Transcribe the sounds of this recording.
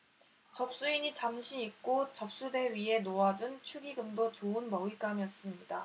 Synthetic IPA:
t͡ɕʌp̚s͈uiɲit͡ɕamɕʰiik̚k͈ot͡ɕʌp̚s͈ude̞ɥiɦe̞noad͡ʑunt͡ɕʰuɡiɡɯŋdot͡ɕoɯnmʌik͈amiʌs͈ɯmɲida

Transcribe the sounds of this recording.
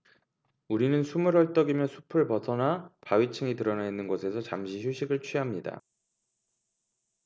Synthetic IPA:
uɾinɯnsʰumɯɾʌɭt͈ʌɡimjʌnsʰu̥pʰɯɭpʌsʰʌnapaɥit͡ɕʰɯŋitɯɾʌnainːɯnɡʌsʰe̞sʰʌt͡ɕamɕʰiɕʰuɕʰiɡɯɭt͡ɕʰɥiɦamɲida̰

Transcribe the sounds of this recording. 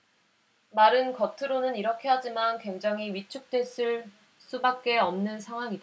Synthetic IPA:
maɾɯnkʌtʰɯɾonɯniɾʌkʰe̞ɦad͡ʑimankwe̞ŋd͡ʑaŋɦiɥit͡ɕʰuk̚t͈we̞s͈ɯɭ | s͈ubak̚k͈e̞ʌmnɯnsʰaŋɦwaŋida

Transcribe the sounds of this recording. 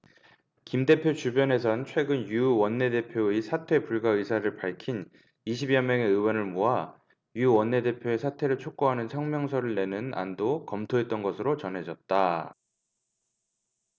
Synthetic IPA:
kimde̞pʰjot͡ɕubjʌne̞s̬ʰʌnt͡ɕʰwe̞ɡɯnjuwʌnːe̞de̞pʰjoisʰatʰe̞puɭɡaɯsʰaɾɯɭpaɭkʰin | iɕ̬ʰibjʌmjʌŋe̞ɯwʌnɯɭmoɦa | juwʌnːe̞de̞pʰjoesʰatʰe̞ɾɯɭt͡ɕʰok̚k͈oɦanɯnsʰʌŋmjʌŋsʰʌɾɯɭne̞nɯna̰ndokʌmtʰoɦe̞t̚t͈ʌnɡʌsʰɯɾot͡ɕʌnɦe̞d͡ʑʌt̚t͈a

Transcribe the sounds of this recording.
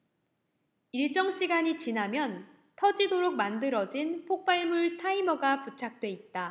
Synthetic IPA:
iɭt͡ɕ͈ʌŋɕʰiɡaɲit͡ɕinɦamjʌn | tʰʌd͡ʑidoɾok̚mandɯɾʌd͡ʑinpʰok̚p͈aɭmuɭtʰaimʌɡaput͡ɕʰak̚t͈we̞it̚t͈a

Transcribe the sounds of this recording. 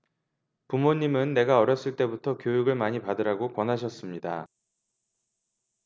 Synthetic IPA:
pumoɲːimɯnːe̞ɡaʌɾjʌs͈ɯɭt͈e̞butʰʌkjojuɡɯɭmaɲipadɯɾaɡokwʌnɦaɕ̬ʰʌs͈ɯmɲida

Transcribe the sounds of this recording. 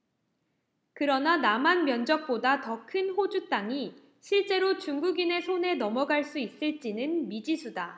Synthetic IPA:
kɯɾʌnanamanmjʌnd͡ʑʌk̚p͈odatʌkʰɯnɸod͡ʑut͈aŋi | ɕʰiɭt͡ɕ͈e̞ɾot͡ɕuŋɡuɡine̞sʰone̞nʌmʌɡaɭs͈uis͈ɯɭt͡ɕ͈inɯnmid͡ʑisʰuda

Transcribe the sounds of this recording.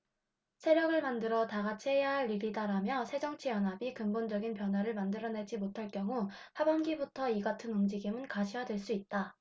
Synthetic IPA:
sʰe̞ɾjʌɡɯɭmandɯɾʌtaɡat͡ɕʰiɦejaɦaɭːiɾidaɾamjʌsʰe̞d͡ʑʌŋt͡ɕʰijʌnɦabikɯmbond͡ʑʌɡinpjʌnɦwaɾɯɭmandɯɾʌne̞d͡ʑimotʰaɭk͈jʌŋu | habʌnɡibutʰʌiɡatʰɯnumd͡ʑiɡimɯnkaɕʰijadwe̞ɭs͈uit̚t͈a

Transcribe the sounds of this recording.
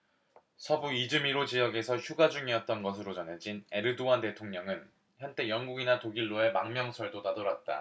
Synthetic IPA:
sʰʌbuid͡ʑɯmiɾot͡ɕijʌɡe̞sʰʌçjuɡad͡ʑuŋiʌt̚t͈ʌnɡʌs̬ʰɯɾot͡ɕʌnɦe̞d͡ʑine̞ɾɯdoante̞tʰoŋɲʌŋɯn | çjʌnt͈e̞jʌŋɡuɡinatoɡiɭːoe̞maŋmjʌŋsʰʌɭdonadʌɾat̚t͈a̰

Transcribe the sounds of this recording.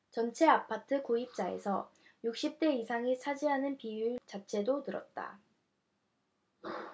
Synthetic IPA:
t͡ɕʌnt͡ɕʰe̞apʰatʰɯkoip̚t͡ɕ͈ae̞̰sʰʌ̰ | juk̚ɕ͈ip̚t͈e̞isʰaŋisʰad͡ʑiɦanɯnpiuɭt͡ɕat͡ɕʰe̞donɯɾʌ̰t̚t͈a̰

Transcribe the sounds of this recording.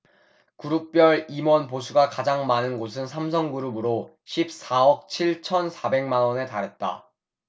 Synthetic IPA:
kuɾuk̚p͈jʌɾimwʌnpos̬ʰuɡakad͡ʑaŋmanɯnɡos̬ʰɯnsʰams̬ʰʌŋɡuɾubɯɾo | ɕʰip̚s͈aʌk̚t͡ɕʰiɭt͡ɕʰʌnsʰabe̞ŋmanwʌne̞taɾɦe̞t̚t͈a̰

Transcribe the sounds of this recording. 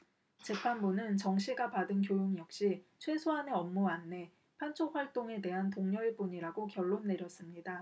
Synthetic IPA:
t͡ɕe̞pʰanbunɯnt͡ɕʌŋɕʰiɡapadɯnkjojoŋjʌk̚ɕ͈it͡ɕʰwe̞sʰoɦaneʌmːuanːe̞ | pʰant͡ɕʰok̚hɸaɭt͈oŋe̞de̞ɦant̬oŋɲʌɭp͈uɲiɾaɡokjʌɭːonːe̞ɾjʌs͈ɯmɲida

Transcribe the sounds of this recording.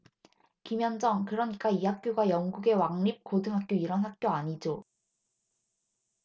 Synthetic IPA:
kimjʌnd͡ʑʌŋkɯɾʌɲik͈aiɦak̚k͈joɡajʌŋɡuɡe̞waŋɲip̚kodɯŋɦak͈̚joiɾʌnɦhak̚k͈joaɲid͡ʑo

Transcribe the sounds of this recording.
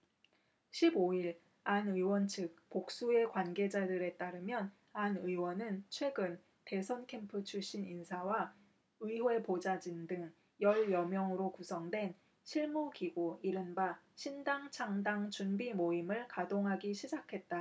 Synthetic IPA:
ɕʰiboiɭ | anɯiwʌnt͡ɕʰɯk̚pok̚s͈ue̞kwanɡe̞d͡ʑadɯɾe̞t͈aɾɯmjʌn | anɯiwʌnɯnt͡ɕʰwe̞ɡɯn | te̞sʰʌnkʰe̞mpʰɯt͡ɕʰuɕ͈ininsʰawa | ɯiɦoe̞pod͡ʑad͡ʑindɯŋ | jʌɭjʌmjʌŋɯɾokusʰʌŋdwe̞n | ɕʰiɭmukiɡoiɾɯnba | ɕʰindaŋt͡ɕʰaŋdaŋt͡ɕunbimoimɯɭkadoŋɦaɡiɕʰid͡ʑakʰe̞t̚t͈a

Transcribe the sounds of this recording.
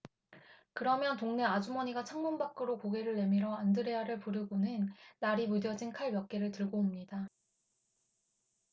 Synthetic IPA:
kɯɾʌmjʌntoŋne̞ad͡ʑumʌɲiɡat͡ɕʰaŋmunbak͈ɯɾokoɡe̞ɾɯɭːe̞miɾʌandɯɾe̞aɾɯɭpuɾɯɡonɯnːaɾimudjʌd͡ʑinkʰaɭmjʌk̚k͈e̞ɾɯɭtɯɭɡoːmɲida

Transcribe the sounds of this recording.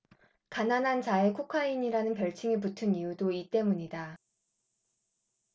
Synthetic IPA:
kananɦant͡ɕae̞kʰukʰaiɲiɾanɯnpjʌɭt͡ɕʰiŋip̬utʰɯnijudoit͈e̞muɲida

